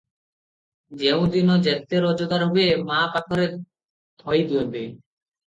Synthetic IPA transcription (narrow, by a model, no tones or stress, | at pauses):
d͡ʑewd̪inod͡ʑɛt̪ːeɾɔd͡ʑod̪aɾɦobemapakʰoɾe | t̪ʰɔjd̪uebe